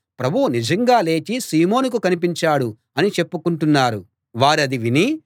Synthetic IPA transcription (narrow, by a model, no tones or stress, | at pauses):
pɾɐbʱuwunid͡ʒɐŋɡaːle̞ːt͡ʃisiːmo̞ːnuk̬ukɐnip̬iɲt͡ʃaːɽu | ɐnit͡ʃe̞pːukuɳʈunːaːɾṵ | ʋaːɾiɐd̪iʋini